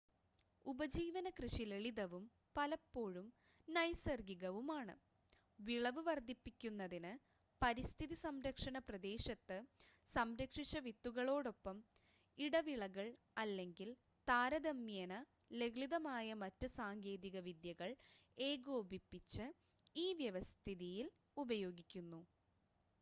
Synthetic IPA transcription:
ubɐd͡ʑiːʋɐnɐkrɨʂileɭiðɐʋum | pɐlɐpːo̞ːɻum | nɐjsɐrɡiɣɐʋumaːɳɨ̰ | ʋiɭɐʋɨʋɐrd̪ʱipːikʲːunːɐðinɨ | pɐɾist̪ʰiðisɐmɾɐkʂɐɳɐprɐd̪e̞ːɕɐt̪ːɨ | sɐmɾɐkʂit͡ɕːɐʋit̪ːuɣɐɭo̞ːɽo̞pːɐm | iɽɐʋiɭɐɣɐɭ | ɐlːe̞ŋɡil | t̪aːɾɐðɐmːjɐnɐ | le̞ɡɭiðɐmaːjɐmɐtːɨsaːŋɡe̞ːðiɣɐʋid̪jɐɣɐɭe̞ːɡoːbipːit͡ɕːɨ | iːʋjɐʋɐst̪ʰiðijil | ubɐjo̞ːɡikʲːunːu

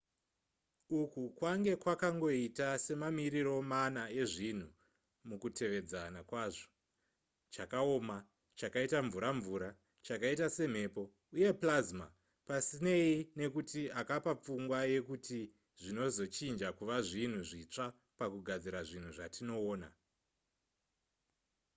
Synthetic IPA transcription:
ukukwaŋɡe̞kwakaŋɡo̞itase̞mamiɾiro̞manae̞ʐin̤u | mukute̞ʋe̞d͡zanakwaːʐo̞̥ | t͡ʃakao̞ːma | t͡ʃakaitaɱvuɾaɱvuɾa | t͡ʃakaitase̞m̤e̞ːpo̞ | uje̞plazma̰ | pasineine̞kutiakapap͡fuŋɡwaje̞kuti | ʐino̞zo̞t͡ʃind͡ʒakuʋaʐin̤uʐit͡ʂa | pakuɡʱad͡ziɾaʐin̤uʐatino̞ːna̰

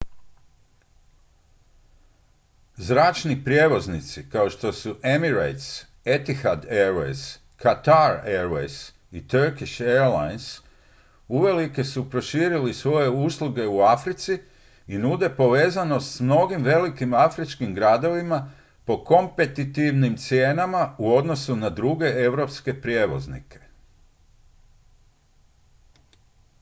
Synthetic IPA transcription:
zɾaːt͡ʃnipɾʲje̞ʋo̞znit̪sikao̞ʃt̪o̞suʔe̞miɾa̰jt̪s | e̞t̪ixad̪eɾḛjs | kat̪aɾeɾʋḛjs | it̪əɾkiʃeɾla̰jns | uʋe̞like̞supɾo̞ʃiːɾilisʋo̞je̞uslˠuɡe̞uafɾit̪si | inud̪e̞po̞ʋe̞ːzano̞st̪smno̞ɡimʋe̞likimafɾit͡ʃkimɡɾad̪o̞ʋima | po̞ko̞mpe̞t̪it̪iʋnimt̪sjeːnamauo̞d̪no̞sunad̪ɾuɡe̞ʔe̞ʋɾo̞pske̞pɾje̞ʋo̞̰znḭkʰe̞̥

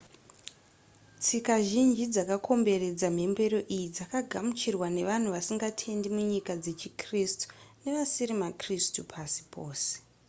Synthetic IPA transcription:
t͡sikaʒind͡ʒid͡zakakʰo̞mbe̞re̞d͡zam̤e̞mbe̞ɾo̞ʔijid͡zakaɡʱamut͡ʃirwane̞ʋan̤uʋasiŋɡatʰe̞ndimuɲikad͡ze̞t͡ʃikristu̥ne̞ʋasiɾimakristupʰasi̥pʰoːse̥

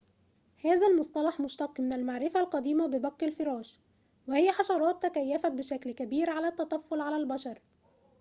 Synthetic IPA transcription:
hæːzælmʊsˤt̪ˤɑlɑħmʊʃt̪ɑqːmɪnælmaʕɾɪfælqɑd̪iːmabɪbæqːɪlfɪɾˤɑːʃ | wɪhɪjːæħɑʃɑɾˤɑːt̪ːækæjːæfæt̪̚bɪʃæklkæbiːɾʕalæt̪ːæt̪ˤɑfːʊlʕalælbæʃɑɾˤ

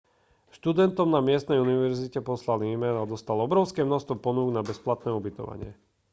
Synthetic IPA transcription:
ʃt̪ud̪ɛnt̪ɔmnamɪɛst̪nɛjuniʋɛɾzicɛpɔslaliːmɛnad̪ɔst̪alɔbɾɔʊskɛːmnɔst̪ʋɔpɔnuːɡnabɛsplat̪nɛːubit̪ɔ̰ʋa̰ɲɪɛ

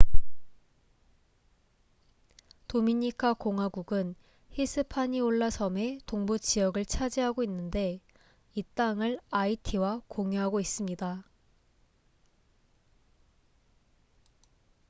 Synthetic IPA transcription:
tomiɲikʰakoŋɦwaɡuɡɯn | hisʰɯpʰaɲioɭːasʰʌme̞toŋbut͡ɕijʌɡɯɭt͡ɕʰad͡ʑiɦaɡoinːɯnde̞ | it͈aŋɯɭaitʰiwakoŋjuɦaɡois͈ɯmɲida

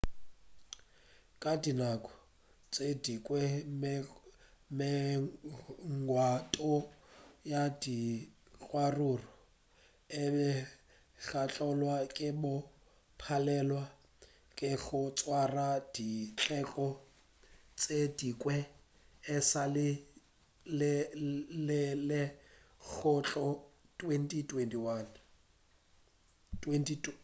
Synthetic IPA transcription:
kʼadinakʼɔ̥ | t͡sʼedikʼwɛm | mɛ | ŋ̩ɡwatʼɔjadi | ɣʼwarurɔ | ɪbɛ | ɬat͡ɬʼɔlwakʼɪbʊ | pʰalɛlwa | kʼɪɣʊt͡sʼwarad̥it͡ɬʼɛkʼɔ | t͡sʼedikʼwɛ | ɪsalɪ | l | lɪlɪ | k͡xʊt͡ɬʼɔ | tʼwentʼitʼwentʼiwan | tʼwentʰʼit

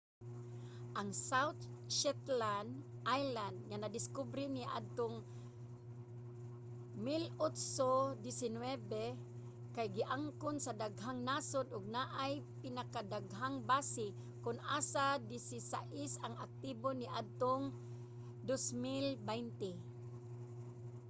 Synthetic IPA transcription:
ʔaŋsawt̪̚ʃɛt̪land̪ʔajland̪̚ŋanad̪ɪskʊbɾɪnɪʔa̰d̪̚t̪oŋ | mɪlot̪sod̪ɪsɪnwɛbɛ | kajɡɪʔaŋkʊnsad̪aɡɦaŋnasʊd̪ʔʊɡ̚naʔajpɪnakad̪aɡɦaŋbaːsɪ | kʊnʔaːsad̪ɪsɪsa̰ʔɪsaŋak̚t̪iboniʔad̪̚t̪oŋ | d̪osmɪlbɛjnt̪ɪ

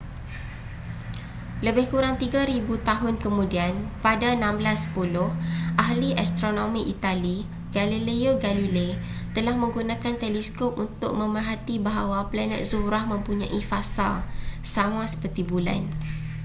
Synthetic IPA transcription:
ləbɪhkuɾaŋt̪iɡaɾibut̪aɦʊnkəmũdianpadaənãmblasːə̥pulʊhʔaɦliʔast̪ɾonõmĩʔit̪ali | ɡ̥alileoɡalile | t̪əlahmə̃ŋɡunãkant̪ɛlɛskɔp̚unt̪ʊk̚mə̃mərɦat̪ibaɦawaplanɛ̰t̪zuɾahmə̃mpuɲãʔifasa̰lsamãsə̥pərt̪ibula̰n

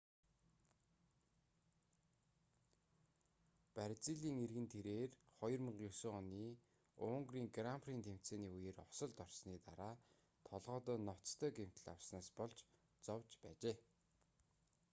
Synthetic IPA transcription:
pæɾʲt͡siːɮiːŋerɣɘ̆nt̪ʰeɾeːrχɔjɞ̆rmə̆ɴɢjɵsoːɔniː | ʊːŋɡriːŋɡrampʰriːnt̪ʰem̥t͡seːniːujeːrɔsɞ̆ɮt̪ɔrsniːt̪aɾaː | t̪ʰɔɮʁɔːt̪ɔːnɔt͡st̪ʰœːɡem̥t̪ɘ̆ɮa̰wsnaːspɔɮt͡ɕ | t͡sɔwt͡ɕpæːt͡ɕeː

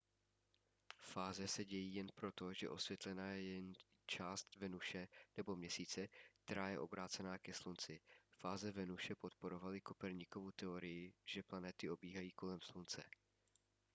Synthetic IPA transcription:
faːzɛsɛɟɛjiːjɛnpɾo̞t̪o̞ʒɛ̰ʔo̞svjɛt̪lɛnaːjɛjɛn | t͡ʃaːst̪vɛnuʃɛnɛbo̞mɲɛsiːt͡sɛk̚t̪ɛɾaːjɛ̰ʔo̞bɾaːt͡sɛnaːkɛslunt͡sɪfaːzɛvɛnuʃɛpo̞t̪po̞ɾo̞valɪko̞pɛɾɲikovowt̪ɛo̞ɾɪjɪʒ̥ɛplanɛt̪ɪʔo̞biːɦajiːko̞lɛmslunt͡sɛ̰

